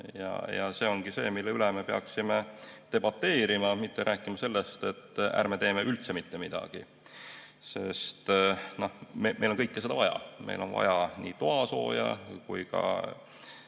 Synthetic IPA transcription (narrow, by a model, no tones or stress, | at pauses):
jɑ̰jɑ̰se̞ːo̞ŋɡ̥ise̞̰ːmilːeyleme̞peɑksimet̪e̞bɑt̪ːe̞ːɾimɑmit̪ːeɾʔæːkːˑimɑse̞lːest̪e̞t̪ːæ̰ɾmet̪e̞ːmeʔylt̪semit̪ːe̞mid̪̥ɑ̰ɡ̥i | se̞st̪no̞hmemʔejlo̞nkɤjkːesed̪ɑvɑjɑ̰mʔḛjlo̞nvɑ̰jɑnit̪oɑso̞̰ːjɑ̰kujkɑ̰